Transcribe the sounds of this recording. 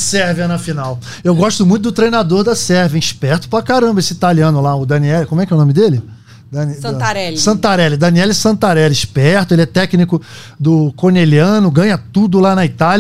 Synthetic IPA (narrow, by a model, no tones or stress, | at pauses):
sɛɾvɪanɐfinaw | ewɡɔʃt̪ʊmũj̃t̪ʊd̪ʊt̪ɾejnad̪oɾd̪ɐsɛɾvĩĩʃpɛɾt̪ʊ̥pɾakaɾɐ̃mbɐesɪit̪aliɐ̃nʊlaʊd̪ɐ̃niɛlkomʊɛkɛunõmɪd̪elɪ | d̪ɐnɾɛsɐ̃t̪aɾɛlɪd̪ɐ̃niɛlɪsɐ̃nt̪aɾɛlĩʃpɛɾt̪ʊelɪɛt̪ɛknikʊ | d̪ʊkoneliɐ̃nʊɡɐ̃ɲɐt̪ud̪ʊlanɐit̪al